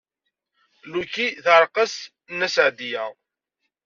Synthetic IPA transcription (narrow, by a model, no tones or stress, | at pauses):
lukiθəɾˤqəs | nːæsʕd̪ijæ